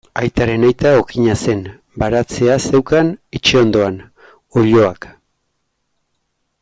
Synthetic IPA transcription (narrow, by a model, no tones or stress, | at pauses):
ajt̪aɾe̞najt̪ao̞kiɲase̞n | baɾat͡se̞ase̞wkanit͡ʃeo̞nd̪o̞an | o̞ʎo̞ak